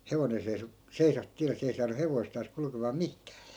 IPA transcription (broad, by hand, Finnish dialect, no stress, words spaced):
heʋonen̞ seiso seisɑ tiælːe se ei sɑːnu heʋoistɑːs kulkemɑː mihkæ̥ː